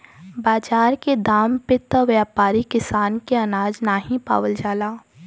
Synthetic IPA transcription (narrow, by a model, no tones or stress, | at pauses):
baːd͡ʒaːɾked̪aːmpɪt̪ɔʋjaːpaːɾikɪsaːnkeɐnaːd͡ʒnaːɦĩpa̰ːʋəld͡ʒaːlaː